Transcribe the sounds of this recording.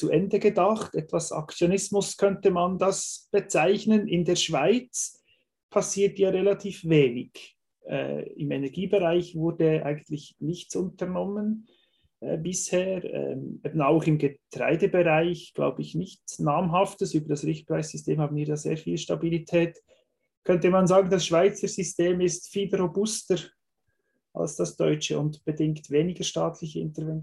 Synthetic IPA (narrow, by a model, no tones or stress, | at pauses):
t͡suʔɛndəɡədɑχtɛtvasa̰kt͡sjonɪsmʊskʰœntəmandɑsb̥ət͡saɪçnənɪndeːɐʃv̥aɪt͡s | pʰasiːtjaːʁelatʰiːfveːnɪɡ̥ | ʔɛ̰ːɪmɛnɛʁɡiːbeʁaɪçvʊɾdəʔa̰ɪɡən̩tlɪçnɪçt͡sʊntəʁnɔmən | ʔɛbɪsheːɾɛ̰meːbnaʊχɪmɡətɾa̰ɪdəbeʁaɪçɡ̥la̰ʊbəɪçnɪçt͡snaːmɦɑftəsyːbəɾd̥asʁɪxt̚pɾaɪsz̥ʏsteːmhaːbnviːɾjaːzḛːɾfiːlʃtabilitʰɛːt | kʰœntəmanzaːɡən̩dɑsʃv̥aɪt͡səɾz̥ʏsteːmɪstfiːlɾobʊstəɾ | ʔa̰lsd̥ɑsd̥ɔʏt͡ʃəʊndb̥ədɪŋktveːnɪɡəʃtaːtʰlɪçəɪ̰ntəɾvɛn